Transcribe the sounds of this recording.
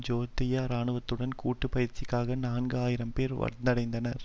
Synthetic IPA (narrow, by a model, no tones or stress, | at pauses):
d͡ʒoːt̪ːɪjaːɾaːɳɯʋɐt̪ːɯɽɐnkuːʈːɯpɐjɪɾt͡ʃɪkːaːɣɐnaːnɡɯaːjɪɾɐmpeːɾʋɐ̰ɽɐɽɐɪnd̪ɐnɐɾ